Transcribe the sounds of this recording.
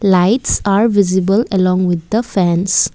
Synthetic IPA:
laɪʈsaɾvizibələlɔ̃ŋwid̪̚ːəfɛ̃ns

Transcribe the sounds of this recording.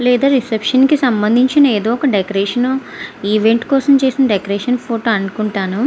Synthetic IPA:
lɛːd̪aːɾisepʂɐnkisɐmbɐnd̪ʱiɲt͡ʃinɐeːd̪oːɔkɐɖekoɾeːʂɐn | iːʋe̞ɳʈkɔːsɐmt͡ʃe̞ːsinɐɖekoɾeːʂɐnpʰoːʈoːɐɳkuɳʈaːnu

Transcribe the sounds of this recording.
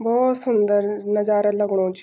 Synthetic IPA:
bɔːt̪sʊnd̪əɾnəzaːɾaləɡɽ̃õːt͡ʃ

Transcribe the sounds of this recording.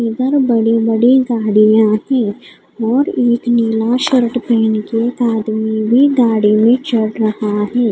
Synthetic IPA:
iːd̪əɾbɐɽibəɐɽiɡaːɽijãɦɛ̃ː | ɔːɾeːkniːlaʃəɾəʈpeːnkekaːd̪mibʱiɡaːɽimẽt͡ʃɐɽɾɐhaɦɛː

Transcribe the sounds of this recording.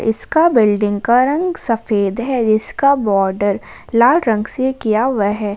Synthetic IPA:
ʔɪ̰skabɪlɖɪ̃ŋɡkaɾɐ̃ŋɡsɐfeːd̪ɦɛd͡ʒɪskabɔːɾɖəɾlaːlɾɐ̃ŋɡsekijaʋɛɦɛː

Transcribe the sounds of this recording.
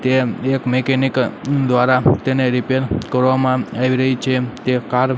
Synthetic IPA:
t̪eekmekɛnikd̪ʋaɾat̪eneɾipeɾkəɾʋamãaʋiɾəɦit͡ʃʰet̪ekaɾ

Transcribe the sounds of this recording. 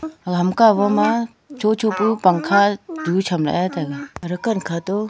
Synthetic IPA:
ɐɡɦɐmkaʋəma | t͡ʃot͡ʃopupɐŋkʰad͡ʒut͡ʃʰɐmɾa̰et̪eɡaɾəkənkʰat̪o

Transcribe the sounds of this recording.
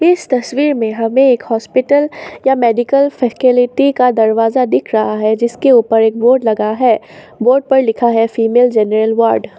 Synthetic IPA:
ɪst̪ɐswiːɾmẽɦɐmẽeːkhɔːspɪʈəljameːɖɪkəlfɛːkɪlɪʈikad̪ɐɾʋaːzad̪ɪkʰɾɐɦaɦɛd͡ʒɪskeuːpəɾeːk̚boːɾɖlɐɡaɦɛː | boːɾɖ̚pɐɾlɪkʰaɦɛfiːmeːld͡ʒɛːnəɾəlʋaːɾɖ

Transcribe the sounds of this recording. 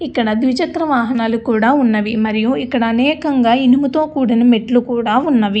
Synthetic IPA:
ikːɐɽɐd̪ʋit͡ʃɐt̪ɾɐʋaːɦɐnaːlukuːɽaːunːɐʋimɐɾijuikːɐɽɐːnɛːkɐŋɡaːinimut̪o̞ːkuːɽinɐmeʈlukuːɽaːunːɐʋi

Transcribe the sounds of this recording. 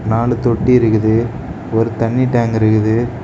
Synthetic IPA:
naːlɯt̪ɔʈːiɪɾɯkːɯðɯ | ɔɾɯt̪ɐɳːiʈːaːŋɡɪɾɯkːɯðɯ

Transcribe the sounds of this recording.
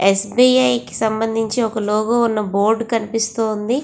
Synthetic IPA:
esbiːɐjki̥sɐmbɐnd̪ʱiɲt͡ʃiɔkɐloːɡɐunːɐboːɾɖkɐnipist̪oːnd̪i

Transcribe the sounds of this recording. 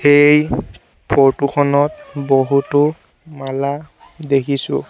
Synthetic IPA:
xej | pʰɔɹtukʰɔnɔtboɦutʊ | mala | dekʰisʊ̰̃

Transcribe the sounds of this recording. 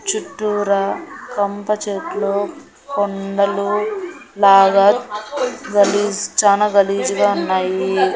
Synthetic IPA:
t͡ʃuʈːuɾɐkɐmpɐt͡ʃeːʈloː | kond̪ɐlulaːɡaː | ɡɐliːd͡ʒt͡ʃaːnaːɡɐliːd͡ʒuɡaːunːaːji

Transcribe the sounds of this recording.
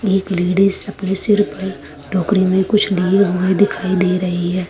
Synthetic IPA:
eːkleːɖisɐpnesɪɾpɐɾ | ɖɔːkɾimẽkʊt͡ʃʰlieɦoẽd̪ɪkʰaːid̪eːɾɐɦiɦɛː

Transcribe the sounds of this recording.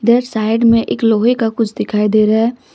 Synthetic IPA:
d̪eːɾsaːɪɖmẽʔekloːɦekakʊt͡ʃʰd̪ɪkʰaːid̪eːɾaɦɛː

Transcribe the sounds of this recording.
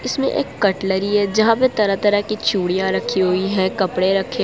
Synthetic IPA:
ɪsmḛ̃ʔḛːkːɐʈləɾiɦɛd͡ʒɐɦãpet̪ɐɾat̪ɐɾakit͡ʃuːɽijãɾɐkʰːiɦoiɦɛkɐpɽeɾɐkʰe

